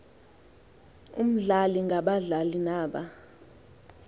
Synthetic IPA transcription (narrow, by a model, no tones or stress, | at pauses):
ṵm̩ɮaliŋɡʱaɓaɮalinaːɓa